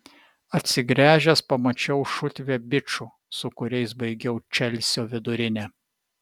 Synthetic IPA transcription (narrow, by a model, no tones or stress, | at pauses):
ɐt̪ʲsʲɪɡɾʲæːʒʲɛspɐmɐt͡ʃʲɛʊʃʊt̪ʲʋʲeːbʲɪt͡ʃu | sʊkʊɾʲɛɪsbɐɪɡʲɛʊt͡ʃʲɛlʲsʲoːʋʲɪd̪ʊɾʲɪnʲɛ